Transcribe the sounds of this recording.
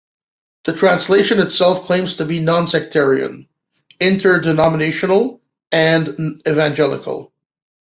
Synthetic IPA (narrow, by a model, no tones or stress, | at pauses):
ðɨtʰɹ̥æ̃nsleɪʃɨ̃nɨtsɛlˠfkʰl̥ẽɪ̃mz̥tʰɨbinɑ̃nsɛk̚tʰɛɹiɨ̰̃n | ɪ̃ntʰə˞dɨnɑməneɪʃɨnl̩ˠ | ɨ̃nɨvæ̃nd͡ʒɛlˠə̰kl̩ˠ